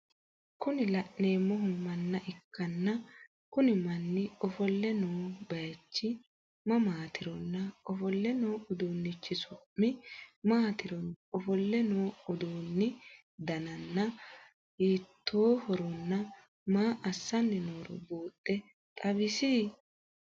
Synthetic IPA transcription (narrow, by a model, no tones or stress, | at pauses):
kʊnɪlɐʔneːmɔɦʊmɐnːɐʔɪkːɐnːɐ | kʊnɪmɐnːɪɔfɔlːɛnoːbɐjɐt͡ʃːɪ | mɐmaːt̪ʰɪɾɔnːɐɔfɔlːɛnoːʊd̪uːnːɪt͡ʃːɪsʊːɪmaːt̪ɪɾɔnɔfɔlːɛnoːʊd̪uːnːɪ | d̪ɐnɐnːɐ | hiːt̪ːoːhɔɾɔnːɐ | maːʔɐsːɐnːɪnoːɾɔ̰buːt̪ʼːɛ | t̪ʼɐbɪsiː